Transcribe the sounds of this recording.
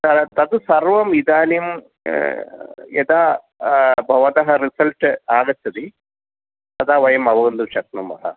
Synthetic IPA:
t̪ɐɾt̪ɐd̪ɨsɐrʋɐmid̪aːnim | jɛd̪aː | bʱɐʋɐd̪ɐɦɐɾisɐlʈɨaːɡɐt͡ɕ̪ːɐd̪i | t̪ɐd̪aːʋɐjɐmɐʋɐɡɐnd̪uʃɐt̪nɐmɐ̰ɦɐ̰

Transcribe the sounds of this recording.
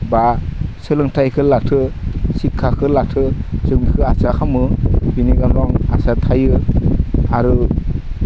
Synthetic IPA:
basɯlɯŋtʰajkʰɯlatʰɯsikʰːakʰɯlatʰɯsɯmikʰɯasakʰamɯbiniɡamɾɔŋasatʰajɯ | aɾɯ

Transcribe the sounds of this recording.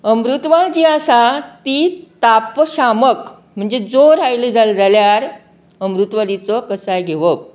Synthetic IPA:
əmɾut̪ʋalt͡ɕiasat̪it̪apɕamək | m̤əɳd͡zed͡zoɾajləd͡zald͡zaljaɾ | əmɾut̪ʋalit͡sɔkəsajɡʱeʋə

